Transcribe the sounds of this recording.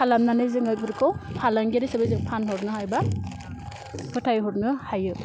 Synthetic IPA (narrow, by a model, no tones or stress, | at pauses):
kʰalamnanɯjzɯŋɯjbɯɾkʰɔwpʰalaŋɡeɾisɯbɯjzɯŋpʰanɦɔɾnɯhajba | pʰɯtʰajɦɔɾnɯhajɯ